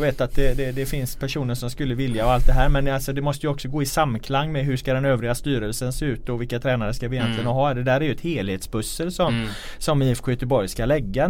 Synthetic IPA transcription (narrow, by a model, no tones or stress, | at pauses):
veːt̪at̪̚d̪ɛd̪ɛd̪ɛfɪnspʰæʂuːnəʂɔmskɵlːəvɪljaɔalt̪̚d̪ɛɦæːɾmɛnalsɔd̪ɛmɔst̪əjɔksɔɡoːɪsamːkʰlaŋːmɛɦɵʂkad̪ɛnøːvɾɪɡast̪yːɾəlsənseːʉ̟ːt̪ɔvɪlkːat̪ʰɾɛːnaɾəskavɪjɛnt̪lɪɡənɦɑːd̪ɛd̪æːɾæɾjɵɛt̪heːlheːt̪sbɵsːəlsɔmsɔmiːɛfɧʏːt̪əbɔɾjskalɛɡːa